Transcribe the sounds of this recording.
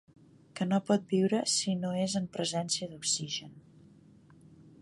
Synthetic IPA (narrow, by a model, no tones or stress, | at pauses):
kənopɔt̪̚biwɾəsinoezəmpɾəzɛnsiəðuksiʒən